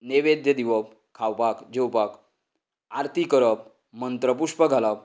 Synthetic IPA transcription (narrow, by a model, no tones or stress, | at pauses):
neʋed̪jəd̪iʋəp̚ | kʰawpakd͡ʑewpak | aɾt̪ʰikəɾəp̚ | mənt̪ɾəpuʂpəɡʱalap̚